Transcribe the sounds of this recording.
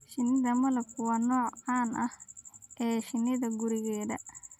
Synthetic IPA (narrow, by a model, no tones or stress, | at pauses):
ʃɪnːɪðɐmɐlɐb̚wɑːnɔːʕɑːnʔɐhʔɛːʃɪnːɪðɐɡʊɾɪɣɛːðɐ̰